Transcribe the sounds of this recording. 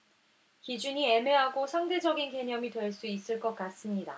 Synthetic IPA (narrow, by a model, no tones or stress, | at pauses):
kid͡ʑuɲie̞me̞ɦaɡosʰaŋde̞d͡ʑʌɡinke̞ɲʌmitwe̞ɭs͈uis͈ɯɭk͈ʌk͈̚as͈ɯmɲida̰